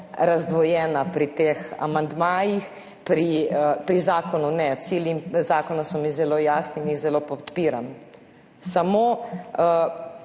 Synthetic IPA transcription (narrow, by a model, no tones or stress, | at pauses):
ɾazd̪ʋɔjɛːnapɾit̪eːxa̰mand̪maːjix | pɾiəpɾizaːkʰɔnunɛt̪siːljizaːkɔnasɔmizɛloːjaːsninizɛloːpɔt̪piːɾa̰m | samoː